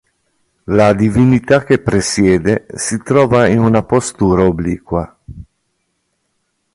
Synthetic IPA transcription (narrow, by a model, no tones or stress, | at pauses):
lad̪ivinit̪ak̟epɾesjɛːd̪esit̪ɾɔːvainunapost̪uːɾaobliːkwa